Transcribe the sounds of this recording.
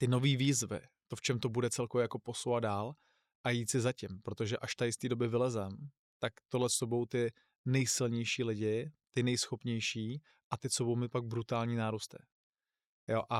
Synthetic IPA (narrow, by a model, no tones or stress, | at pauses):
t̪ɪno̞viːviːzvɪ̰t̪oft͡ʃɛmt̪o̞budɛt͡sɛlkovjɛjako̞po̞sowvad̪̚daːl | ʔajiːt̪sɪzacɪmpɾot̪o̞ʒɛʔaʃt̪ajɪst̪iːdo̞bɪvɪlɛzɛm | t̪akt̪odlɛsobo̞wt̪ɪ | nɛjsɪlɲɛjʃiːlɪɟɪt̪ɪnɛjsxopɲɛjʃiː | ʔat̪ɪsobowmɪpaɡ̚bɾut̪aːlɲiːnaːɾust̪ɪ | joʔa